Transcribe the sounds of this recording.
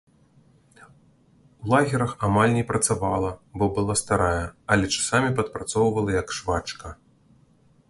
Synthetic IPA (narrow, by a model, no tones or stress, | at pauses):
lˠaɣʲɛɾɐxamalʲnʲɛpɾɐt̪savalˠɐbɔbɨlˠast̪aɾajɛɐlʲɛt͡ʂḁsamʲipɐt̪̚pɾat̪sɔwvɐlˠɐjɐkʂvat͡ʂkɐ